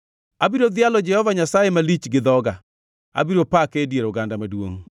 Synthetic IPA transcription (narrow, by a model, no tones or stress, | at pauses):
abiɾod̪ɪalɔd͡ʒɛhɔvaɲasajemalit͡ʃɡɪðɔɡa | a̰biɾopakedjeɾoɡandamadwo̰ŋ